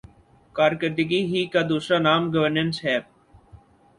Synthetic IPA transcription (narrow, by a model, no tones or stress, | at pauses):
kaːɾkəɾd̪əɡiːɦiːkaːd̪uːsɾaːnaːmɡəʋəɾnənsɦɛː